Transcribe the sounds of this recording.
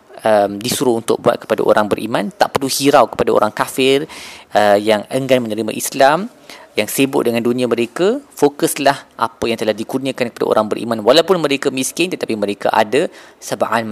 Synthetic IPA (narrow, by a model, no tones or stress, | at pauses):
əmdisuɾʊhunt̪ʊ̰k̚bua̰t̪̚kə̥pada̰ʔo̰ɾaŋbəɾʔḭmãnt̪aʔpərluhiɾawkə̥padao̰ɾaŋkafɪrəjaŋəŋɡanmə̃nəɾimã̰ʔislam | jaŋsebʊʔ̪̚dəŋãndunĩãmə̃ɾekafokəslahʔa̰pəjaŋt̪əlahdikurnĩãkankəpada̰ʔo̰ɾaŋbəɾʔḭmãnwalawpʊnmə̃ɾekamiskɪnt̪ət̪apimə̃ɾeka̰ʔa̰dasəbaʔanma